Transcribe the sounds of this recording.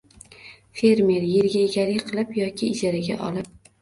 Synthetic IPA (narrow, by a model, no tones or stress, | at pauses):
fe̞ɾme̞ɾjeɾɡʲaeɡʲaɾɪjqʰɨlˠɪpjɒkʲʰɪɪd͡ʒaɾaɡʲa̰ʔɒ̰lɪp̚